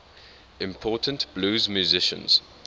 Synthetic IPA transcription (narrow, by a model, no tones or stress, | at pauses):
ɪ̃mpʰɔːˑtʰə̃ntb̥luːzmjuzɪʃə̰̃nz̥